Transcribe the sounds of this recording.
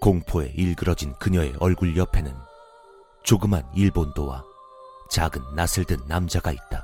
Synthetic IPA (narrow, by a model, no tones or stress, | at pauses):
koŋpʰoe̞̰ʔiɭɡɯɾʌd͡ʑinkɯɲʌe̞̰ʔʌɭɡuɭjʌpʰe̞nɯn | t͡ɕoɡɯmɦaniɭbondowa̰ | t͡ɕaɡɯnːasʰɯɭdɯnːamd͡ʑaɡait̚t͈a